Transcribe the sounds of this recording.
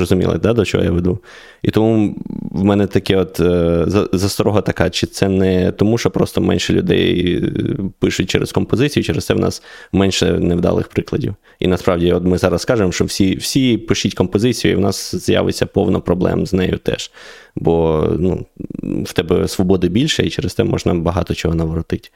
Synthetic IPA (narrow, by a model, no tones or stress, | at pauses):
rɔzʊmʲḭlˠɪ̰d̪ɑd̪ɔt͡ʃɔ̰ɦɔ̰jaʋed̪u | it̪ɔmuʋmɛnɛt̪ɐkɛɔt̪zɐzɐst̪ɾɔɦɐt̪ɐkɑt͡ʃɪt̪sɛnɛt̪ɔmuʃt͡ʃɔpɾɔst̪ɔmɛ̰nʲʃɛlʲʊd̪ɛ̰j | pɪʃʊt̚ʲt͡ʃɛɾɛ̰skɔmpɔzɪt͡sʲijʊt͡ʃɛɾest̪ɛwnɑ̰smɛnʲʃɛ̰nɛwd̪ɑ̰lˠɪ̰xpɾɪklˠɐdʲiw | ḭnɐspɾɑwdʲiɔt̪mɪzɑɾɐskɑʒemʃt͡ʃɔwsʲiwsʲipɪʃʲitʲkɔmpɔzɪt͡sʲijʊḭwnɑsz̥ja̰ʋɪ̰t͡sʲːɐpɔwnɔpɾɔblˠɛ̰mznɛjʊt̪ɛ̰ʒbɔnṵwt̪ɛbɛsʋɔbɔd̪ɪbʲilʲʃɛit͡ʃɛɾɪst̪ɛmɔ̰ʒnɐbɐɦɑt̪ɔt͡ʃɔɦɔnɐʋɾɔt̪ɪtʲ